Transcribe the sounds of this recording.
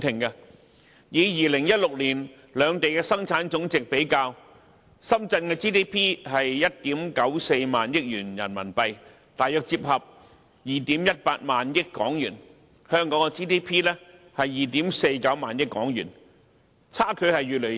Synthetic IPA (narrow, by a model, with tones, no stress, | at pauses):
t̪ʰɪ˨˩ŋkɐ˧ | jiː˨˧jiː˨lɪ˨˩ŋjɐ˥t̚lʊ˨k̚liː˨˩n | lœː˨˧ŋt̪e˨jkɛː˧sɐ˥ŋt͡sʰaː˨˥nt͡sʊ˨˥ŋt͡sɪ˨k̚pe˨˥jkaː˧w | sɐ˥mt͡sɐ˧nkɛː˧t͡siː˥t̪ʰiː˥pʰiː˥hɐ˨jjɐ˥t̚t̪iː˨˥mkɐ˨˥wse˧jmaː˨njɪ˥k̚jyː˨˩njɐ̰˨˩nmɐ̰˨˩npɐ˧j | t̪aː˨jœː˨˧k̚t͡siː˧p̚ɦɐ˨p̚ | jiː˨˩t̪iː˨˥mjɐ˥t̚paː˧t̚maː˨njɪ˥kkːɔ̰ː˨˥ŋjyː˨˩n | hœː˥ŋkɔː˨˥ŋɛ˧t͡siː˥t̪iː˥pʰiː˥lɛː˥ | hɐ˨jːiː˨t̪iː˨˥mse˧jkɐ˨˥wmaː˨njɪ˥kːɔː˨˥ŋjy̰ː˨˩n | t͡sʰaː˥kʰɵ˨˧ɥhɐ˨jɥyː˨lɵ˨˩